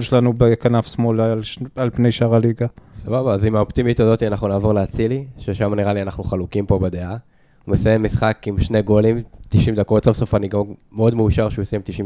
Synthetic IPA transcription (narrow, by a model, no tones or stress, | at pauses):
lʃelanubekanafsmolaalpne̞jʃaʁaliɡasababaːzimaopt̪imit̪ozot̪ianaχnunaːvo̞ʁleat͡siliʃeʃamaniʁalianaχnuχalukimpo̞bed̪ea | umesajemːisχakimʃneɡo̞limt̪iʃimd̪ako̞t̪savso̞faniɡammeo̞d̪meuʃaʁʃeusjemt̪iʃi